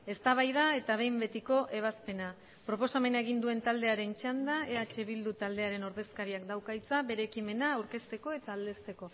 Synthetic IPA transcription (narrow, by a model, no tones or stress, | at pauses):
e̞st̪aβ̞ajð̞ae̞t̪aβ̞e̞jmbe̞t̪iko̞ʔe̞β̞aspe̞na | pɾo̞po̞same̞naeɣ̞ind̪ue̞nt̪ald̪e̞aɾe̞nt͡ʃand̪aeat͡ʃe̞βild̪ut̪ald̪e̞aɾe̞no̞ɾðe̞skaɾiakd̪awkajt͡saβe̞ɾe̞kime̞naːwɾke̞st̪e̞ko̞e̞t̪aːld̪e̞st̪e̞ko̞